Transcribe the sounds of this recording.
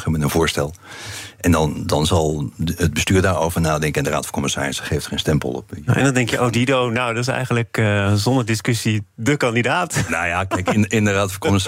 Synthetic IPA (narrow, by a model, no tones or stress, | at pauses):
χəmənənvʊːɹstɛlˠʔɛndɑndɑnzɑlˠəd̚bəstyːɹdaːɹowvəɹnaːdɛŋkəɪndəra̰ːtfɔ̥nkɔməsa̰ːrɪsχeːftχeːnstɛmpə̰lˠɔ̰pʔɛ̰ndɔndɛŋkjəʔowdidownowdɔtɪsɛ̰jɣənləkzɔndəɹdɪskøsidəkɑndidaːtnajakɛkɪɪndəraːtfɔkomɪs